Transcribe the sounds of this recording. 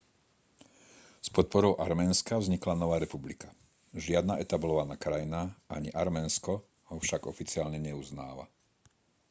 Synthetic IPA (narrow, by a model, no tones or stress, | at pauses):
spɔt̪̚pɔɾɔʊʔaɾmɛnskavzɲiklanɔʋaːɾɛpublika | ʒɪad̪naʔɛt̪ablɔʋanakɾajnaʔaɲiʔaɾmɛːnskɔ | ɦɔfʃaɡɔfit͡sɪaːlɲɛɲɛuzna̰ːʋa̰